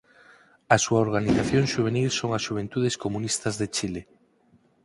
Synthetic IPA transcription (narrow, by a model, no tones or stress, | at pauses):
asuaoɾɣ̞aniθaθjoŋʃuβ̞enilsoŋasʃuβ̞ent̪uðeskomũnist̪azðet͡ʃile